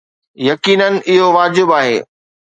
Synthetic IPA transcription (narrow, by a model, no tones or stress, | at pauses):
jɐkiːnənɪ̆ʔɪɦoʋaːd͡ʑɪbaːɦḛː